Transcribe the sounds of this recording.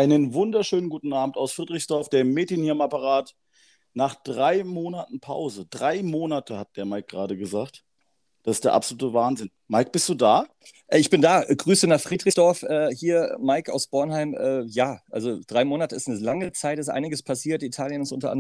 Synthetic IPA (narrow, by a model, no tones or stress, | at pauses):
ʔaɪnənvʊndɐʃøːnənɡuːtn̩ʔaːbm̩taʊsfʁ̥iːdʁɪçsd̥ɔɐfd̥eːɐmeːtjənhiːmapəʁaːt | naːχd̥ʁaɪmoːnatn̩pʰa̰ʊzəd̥ʁaɪmoːnatəhat̚d̥eːɐmaɪk̚ɡ̥ʁaːdəɡəzaːkt | d̥asɪsd̥eːɐʔa̰pzoluːtəvaːnzɪn | maɪk̚b̥ɪstd̥uːdaː | ʔɛɪçb̥ɪndaːɡʁyːsənaχfʁ̥iːdʁɪsd̥ɔɐfʔɛːhiːɐmaɪka̰ʊsb̥ɔɐnɦaɪmʔɛːjaːʔa̰lzod̥ʁaɪmoːnatəɪstnəlaŋət͡saɪtɪstʔa̰ɪnɪɡəspʰasiːɐtitʰaːljənɪsʔʊntɐʔa̰nd